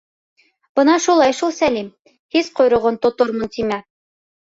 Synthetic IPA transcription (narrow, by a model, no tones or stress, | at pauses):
b̥ɤnɑʃulˠɑjʃulˠsælim | hizqŏjɾŏʁont̪ŏt̪oɾmɤ̆nt̪imæ